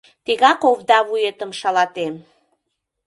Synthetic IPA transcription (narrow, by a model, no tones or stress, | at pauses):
t̪iɣɑkoβd̪ɑβujet̪əmʃɑlɑt̪em